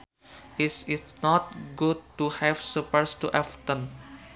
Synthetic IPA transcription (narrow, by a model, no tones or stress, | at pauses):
ʔisɪtnɔt̪̚ɡud̚tuhɛfsupəɾstuʔɛft̪ə̃n